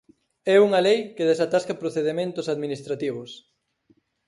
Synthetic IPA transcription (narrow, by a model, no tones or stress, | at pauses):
ɛuŋɐlejkeðesat̪askɐpɾoθeðemẽnt̪ʊsaðminist̪ɾat̪iβ̞ʊs